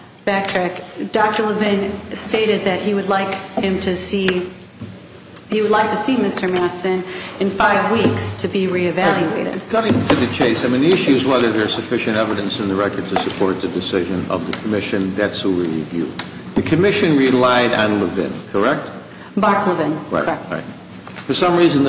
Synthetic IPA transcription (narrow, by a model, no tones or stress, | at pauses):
b̥æk̚tʰɹ̥ɛkd̥ɑk̚tə˞ləvɪ̃nsteɪɾɨd̪̚ðɨt̚hiwɨdˡlaɪkhɪ̃mtʰɨsi | hiwədˡlaɪk̚tʰɨsimɪstə˞mætsɨ̃nɨ̃nfaɪvwikstʰɨbiɹiɨvælˠjʉeɪɾɨ̰d̥̚kʰʌ̃ɪ̃ŋtʰɨðɨt͡ʃʰeɪsaɪmĩniɪʃʉzwɛðə˞ðə˞z̥sɨfɪʃɨ̃ntɛvɨɾɨ̃nsɨ̃nðəɹɛkə˞d̚tʰɨsɨpʰɔɹt̪̚ðɨdɨsɪʒɨ̃nʌ̰vðɨkʰəmɪʃɨ̃nðætswəwiɹḭvjʉ̰ | ðɨkʰɨmɪʃɨ̃nɹilaɪɾə̃nləvɪ̰̃nkʰə˞ɛk̚t̚ | bɑɹkʰləvɪ̃n̰ɹa̰ɪt | fə˞sʌ̃mɹizɨ̃n̩